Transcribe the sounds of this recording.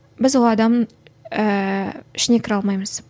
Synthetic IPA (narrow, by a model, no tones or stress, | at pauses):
bɪzwolˠɑd̪ɑm | əɪʃne̞kʲʰɪɾɑlˠmɑjməz̥